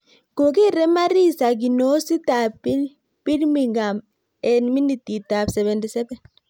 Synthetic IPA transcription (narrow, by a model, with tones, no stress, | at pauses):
ko˨ki˦ɾɛ˦ma˦ɾi˦˨sa˨ɡ̬i˨no˦si˦ta˨pi˦ | pi˦ɾmi˨ŋɡa˨m | ɛ˨nmi˦ni˨ti˨ta˨bsɛ˨βɛ˨ndi˨sɛ˦bɛ˨n